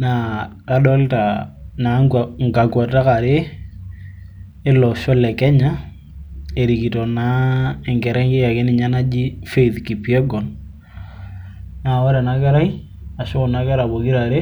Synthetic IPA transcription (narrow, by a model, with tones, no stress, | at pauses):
na˨ka˦ɗɔ˦lta˨na˨ŋ˨ka˨kwa˨ta˦ka˨ɾe˦ | ɪ˦lɔ˨ʃɔ˦lɛ˨kɛ˦ɲa˦ | e˨ɾi˨ki˨tɔ˨na˦ɛ˨ŋɡɛ˨ɾɛ˦ŋɡɪ˦ja˨kɪ˦nɪ˨ɲa˦na˦d͡ʒi˦fe˦i˨θki˨pi˨ɛ˦ɡɔ˨n | na˨wɔ˦ɾɛ˨na˦kɛ˦ɾa˦i˦ | a˨ʃʊ˦ʊ˨na˦kɛ˦ɾa˨bo˨ki˦ɾa˨ɾe˦